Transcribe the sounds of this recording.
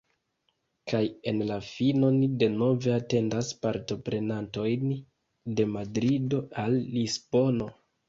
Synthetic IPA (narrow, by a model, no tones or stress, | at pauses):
kʰaje̞nlafino̞nide̞no̞ve̞ate̞ndaspaɾto̞pɾe̞nanto̞jn | de̞madɾido̞alːisbo̞no̞